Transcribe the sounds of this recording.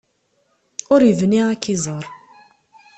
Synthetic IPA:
ʊɾjəvniʁakːizˤəɾˤ

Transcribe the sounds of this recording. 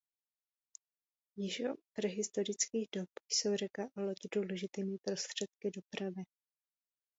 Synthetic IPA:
jɪʒopɾɛɦɪst̪o̞ɾɪt͡skiːɣdopjso̞wrɛkaʔalocɪduːlɛʒɪt̪imipɾo̞st̪r̝̥ɛt̪̚kɪdo̞pɾavɪ

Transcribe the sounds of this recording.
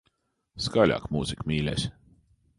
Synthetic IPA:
skɑlʲɑ̰kmuːsikmilʲḛsʲ

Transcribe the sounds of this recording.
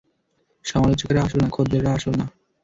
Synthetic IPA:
ʃɔmalot͡ɕokaɾaaʃonakʰod̪ːeɾɾaaʃona

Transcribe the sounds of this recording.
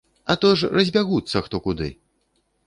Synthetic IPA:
ɐt̪ɔʂrɐzʲbʲaɣut̪sːɐxt̪ɔkud̪ɨ̰

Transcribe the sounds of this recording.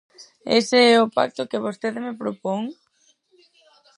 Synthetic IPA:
ḛseɛʊpa̰k̚t̪okeβ̞ost̪eðemepɾopoŋ

